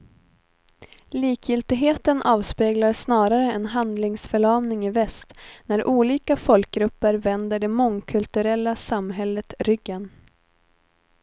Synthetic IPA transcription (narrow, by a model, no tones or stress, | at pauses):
liːkʰjɪlt̪ɪɡɦeːt̪ənʔɑːvspeːɡlaɾsnɑːɾaɾəɛnɦand̪lɪŋsfœɭɑːmnɪŋɪvɛst̪næɾʔuːliːkafɔlk̚ɡɾɵpːəɾvɛnd̪əɖɛmɔŋkʰɵlt̪ɵɾɛlːasamɦɛlːət̪ɾʏɡːən